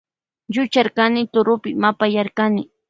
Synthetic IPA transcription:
ʎʊt͡ʃaɾkanɪt̪ʊɾʊpɪmapajaɾkanɪ

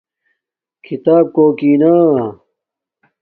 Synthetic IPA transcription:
kʰit̪aːb̚koːkiːnaː

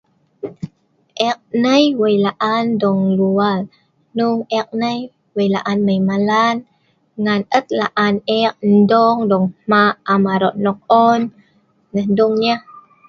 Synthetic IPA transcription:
ʔɛk̚nəjwəjlaʔandɔŋlual | nuŋɛk̚nəj | wəjlaʔanːəjmalan | ŋanət̪̚laʔanɛk̚n̩dɔŋdɔŋmaamaɾɔʔnɔk̚ɔnː | əhduŋɲa

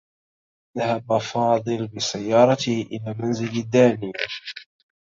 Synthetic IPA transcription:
ðahabafɑːd̪ˤɨlbɪsajːɑːɾˤɑt̪ɪhʔɪlaːmanzɪlad̪ːaːniː

